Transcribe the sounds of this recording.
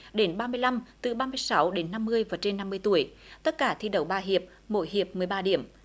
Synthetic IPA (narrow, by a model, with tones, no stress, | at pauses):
ɗe˨˦nɓaː˧mɨ˧əjla˧mt̪ɨ˨˩ɓaː˧mɨ˧əjsa˨˦wɗe˨˦nːa˧mːɨ˧əjvaː˨˩t͡ɕe˧nːa˧mːɨ˧əjt̪u˧˩əjt̪ə˦˥t̚kaː˧˩t̪ʰi˧ɗə˨˩wɓaː˧ɦi˨˩əp̚ | mo̰˧˨jɦi˨˩əp̚mɨ˨˩əjɓaː˧ɗi˧˩əm